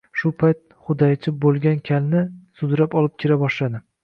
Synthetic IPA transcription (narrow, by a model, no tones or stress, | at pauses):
ʃʊpʰajt̪̚χʊd̪ajt͡ʃʰɪbolˠɡʲankʲʰalnɪsʊd̪ɾapɒlɪp̚kʲʰɪɾabɒʃlad̪ɪ